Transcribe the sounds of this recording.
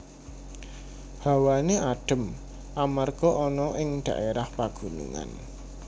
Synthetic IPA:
ha̤waneʔaɖ̥ə̤m | ʔamarɡ̥ɔʔɔnɔʔɪŋd̪̥ä̤ʔeɾahpaɡ̥ṳnḭŋa̰n

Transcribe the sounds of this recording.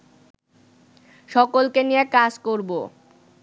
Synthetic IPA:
ʃɔkolkenijekad͡ʑkoɾbo

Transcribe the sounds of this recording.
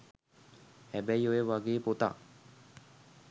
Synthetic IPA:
hæbæjojeʋaɡeːpot̪a̰

